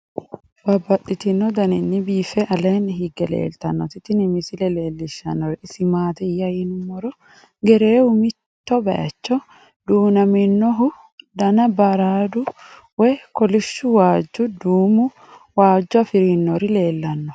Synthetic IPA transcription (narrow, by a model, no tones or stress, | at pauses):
bɐbːɐᶑɪt̪ɪnːɔd̪ɐnɪnːɪbiːfɛʔɐleːnhiɡɛlḛːlt̪ɐnːɔ̰t̪ɪt̪ːɪnɪmɪsɪlɛle̞ːlːɪʃːɐ̰nːɔɾɪɪsɪmaːt̪ɛjːɐjɪnʊmːɔɾɔ | ɡɛɾeːʊmɪt̪ːɔbɐ̰ʔɐ̰t͡ʃːɔ | d̪uːnɐmɪnːɔɦʊ | d̪ɐnɐbɐɾaːd̪ʊ | wɛkɔlɪʃːʊwaːd͡ʒːʊd̪uːmʊ | waːd͡ʒːɔɐfɪɾinːɔɾɪle̞ːlːɐnːɔ